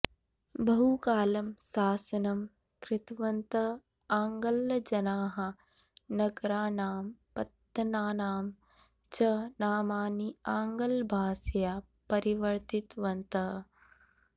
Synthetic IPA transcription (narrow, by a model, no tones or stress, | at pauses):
bɐɦukaːlɐmsaːsɐnɐm | kɾɪt̪ʋɐnt̪ɐ | aːŋɡɐlːɐd͡ʒɐnaːɦɐ | nɐɡɾaːnaːmpɐt̪ːɐnaːnaːm | t͡ʃɐnaːmaːniaːŋɡɐlbʱaːsjaː | pɐɾiʋɐɾt̪it̪ʋɐnt̪ɐ